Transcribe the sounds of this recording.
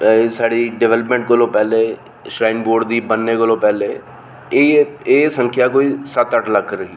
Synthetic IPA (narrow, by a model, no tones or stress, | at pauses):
saːɽiːɖɛʋɛːləp̬mɛ̃ːɳʈkolõːpɛːleː | ʃɾaːɪnboːɖd̪iːbənːeːkolõːpɛːleː | eːsəŋkʰjaːkoːiːsət̪əʈləkʰɾəɦiː